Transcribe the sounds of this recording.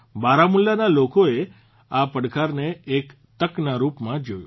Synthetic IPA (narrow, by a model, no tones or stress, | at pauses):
baɾamulːjanalokoe | apəɽkʰaɾneːk | t̪əknaɾupmãd͡ʒojṵ